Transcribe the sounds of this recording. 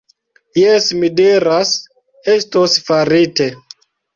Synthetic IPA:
jesmidiɾas | estosfaɾite

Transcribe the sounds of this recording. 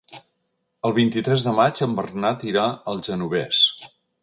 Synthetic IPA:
əlˠβ̞int̪it̪ɾɛzðəmad͡ʒəmbərnat̪iɾaəlˠʒənuβ̞ɛs

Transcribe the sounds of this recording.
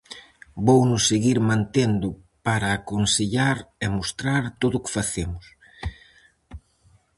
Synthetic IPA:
bownʊsːeɣiɾmãnt̪end̪ʊpaɾɐːkonseʎaɾemost̪ɾaɾt̪oðʊkɪ̥faθemʊs

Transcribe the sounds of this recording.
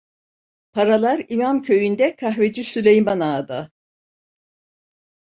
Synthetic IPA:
pʰaɾalˠaɾimamcʰø̞jynd̪ɛkʰaɦved͡ʒisylʲejmanaːd̪a

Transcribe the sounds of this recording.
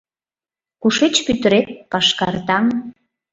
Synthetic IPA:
kuʃet͡ɕpyt̪əɾet̪̚pɑʃkɑrt̪ɑŋ

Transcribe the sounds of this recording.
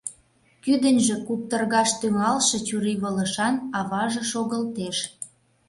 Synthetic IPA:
kyd̪ənʲʒĕkup̚t̪ərɣɑʃt̪yŋɑlʃɤ̆t͡ɕuɾiβələʃɑnɑβɑʒɤ̆ʃoɣəlt̪eʃ

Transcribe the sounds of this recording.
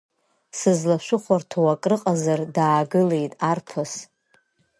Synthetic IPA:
sɨzlaʃʷʊχʷartʰawakʼrɨqʼazardaːɡɨle̞jtʼarpʰɨs

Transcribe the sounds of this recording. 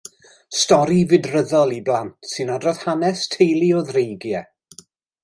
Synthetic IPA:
stɔɾivɪdrəðɔlˠiblˠantʰsɨnadrɔð̥hanɛstʰejlˠioðrejɡjɛ

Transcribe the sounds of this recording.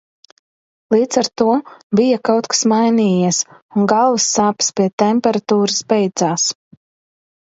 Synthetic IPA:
lˠiːd̪z̥aɾt̪uɔbijakawt̪kḁsmajniːjiɛsunɡalˠvsːaːpspʲiɛt̪empɛɾat̪uːɾɨsbɛjd̪zaːs

